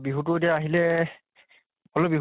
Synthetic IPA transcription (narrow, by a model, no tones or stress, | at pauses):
biɦut̬ʊetijaaɦilɛ | ɔlɔbiɦ